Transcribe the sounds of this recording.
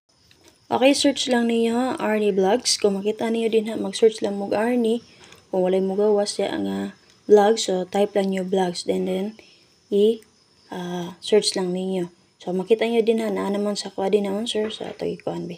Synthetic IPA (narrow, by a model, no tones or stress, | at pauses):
ʔo̰ːkɛjsɛɹt͡ʃlɐŋnɪɲoʔaɹniblaɡskʊŋmɐkiːt̪ɐnɪɲod̪ɪnɦaʔmɐɡsɛɹt͡ʃlɐŋmʊɡʔaɹni | kʊŋwɐlajmʊɡawasaʔɐ̰ŋa | blaɡsːot̪ajplaŋɲoblaɡsd̪ɛnd̪ɛn | ɪ | ʔaːsɛɹt͡ʃlaŋnɪɲo̞ | so̞mɐkiːt̪ɐɲod̪ɪnhanɐʔanɐmansɐkwad̪ɪnɐmonsɛɹsɐ̰t̪ɐ̰ɡɪkʊʔanbi